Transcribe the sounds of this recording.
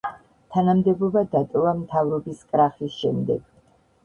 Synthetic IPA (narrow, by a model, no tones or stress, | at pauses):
t̪ʰanamd̪ɛbɔbad̪at̪ʼɔvamt̪ʰavɾɔbiskʼɾaχisʃɛmd̪ɛ̰ɡ̥